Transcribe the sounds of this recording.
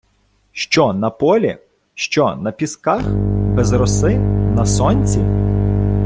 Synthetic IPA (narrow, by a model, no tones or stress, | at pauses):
ʃt͡ʃɔnɐpɔlʲḭ | ʃt͡ʃɔnɐpʲiskaxbɛzɾɔsɪnɐsɔnʲt͡sʲi